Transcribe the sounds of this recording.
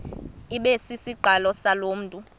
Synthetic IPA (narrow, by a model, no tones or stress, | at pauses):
iɓesisiǃʱalɔsaloːm̩ːtʼu